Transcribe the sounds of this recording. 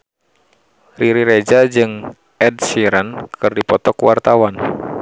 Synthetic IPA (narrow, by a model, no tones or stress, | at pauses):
riɾiɾed͡ʒad͡ʒɨŋ | ɛdsiɾənkɨrdipɔt̪ɔkwart̪awan